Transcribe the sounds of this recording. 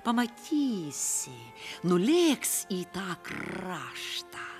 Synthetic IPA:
pɐmɐt̪ʲiːsʲɪ | nʊlʲeːksʲiːt̪ɑːkrɑːʃt̪ɐ

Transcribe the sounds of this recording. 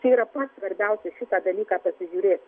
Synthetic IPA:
tɛiːɾɐpɐt̪sʋɐɾʲbʲɛˑʊsʲɛʃʲɪt̪ɑːd̪ɐlʲiːkɑːpɐsʲɪʒʲuːɾʲeːt̪

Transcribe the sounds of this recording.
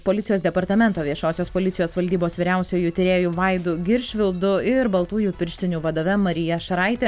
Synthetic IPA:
poːlʲɪt̪sʲɪjoːsd̪ʲɛpɐɾt̪ɐmʲɛnt̪oːʋʲiɛʃoːsʲoːspoːlʲɪt̪ʲɪjoːsʋɐlʲd̪ʲiːboːsʋʲiːɾʲɛʊsʲuːjut̪ʲɪɾʲeːjuːʋɐɪd̪ʊɡʲɪɾʲʃʲʋʲɪlˠd̪ʊɪɾbɐlˠt̪uːjuːpʲɪɾʲʃʲt̪ʲɪnʲuːʋɐd̪oːʋʲɛmɐɾʲɪjɛʃɐɾɐɪt̪ʲɛ

